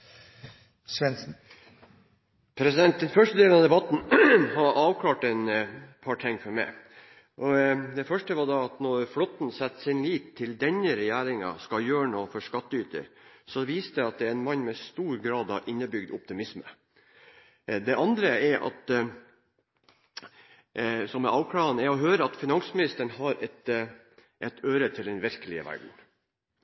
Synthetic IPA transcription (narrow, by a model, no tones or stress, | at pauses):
sʋɛns̩ | pʰɾɛsɪd̪ɛnt̪̚d̪ɛnfœʂʈəd̪eːlənɑd̪ɛbɑt̪n̩ɦɑɾʔɑːʋkʰlɑːʈɛnpʰɑʈʰɛŋfɔɾmɛ̰ɪ | ʔɔd̪ɛfœʂʈəʋɑd̪ɑɑt̪nɔɾflɔt̪n̩sɛt̪sɪnliːt̪ʰːɪld̪ɛnːəɾɛjæːɾɪŋɑ̰skɑjøːɳoːfɔʂkɑt̪ːəyːt̪ə̰ɾsɔʋiːst̪əɑt̪̚d̪ɛɾɛnmɑnːmɛst̪uːɾɡɾɑːd̪ɑʔɪnːəbʏɡd̪ʊp̚t̪ɪmɪsmə | d̪ɛʔɑnd̪ɾəɛɾʔɑ̰t̪ | sɔmɛʔɑːʋkʰɽɑːənəɛɾɔɦøːɾəɑt̪fɪnɑŋsmɪnɪst̪əɳɦɑɾɛt̪ | ʔɛt̪ʰøːɾət̪ʰɪld̪ɛnʋɪɾkəlɪə̰ʋæ̰ɖɳ̩